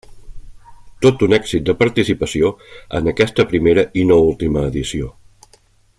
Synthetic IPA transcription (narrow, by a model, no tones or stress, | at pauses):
t̪ot̪unɛɡsit̪̚d̪əpəɾt̪isipəsioə̰nəkɛst̪əpɾimeɾəʔinoulˠt̪iməːðisio